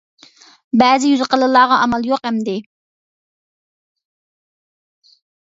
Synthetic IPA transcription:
bæːzɪjyzqʰəlˠɨlˠːɑːʁɑʔɑmɑlˠjoqɛmd̪ɪ

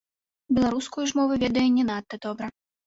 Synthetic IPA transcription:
bʲɛlˠaɾuskujuʐmɔvɨvʲɛd̪ɐjɛnʲɛnat̪ːɐd̪ɔbɾɐ

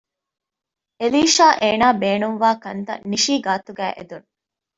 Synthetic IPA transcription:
ʔeliːʃaːʔeːnaːbeːnuŋʋaːkɐnt̪ɐ̰niʃiːɡaːt̪uɡæːʔḛd̪un

